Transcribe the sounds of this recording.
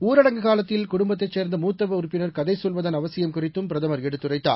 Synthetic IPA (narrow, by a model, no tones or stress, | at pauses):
uːɾɐɽɐŋɡɯɣaːlɐt̪ːɪlkʊɽʊmbɐt̪ːɐɪt͡ʃːeːɾnd̪ɐmuːt̪ːɐʋɐʊɾpːɪnɐɾkɐðɐɪsɔlʋɐðɐnɐʋɐsɪjɐmkʊrɪt̪ːɯmpɪɾɐðɐmɐɾɛɽɯt̪ːɯrɐɪt̪ːa̰ː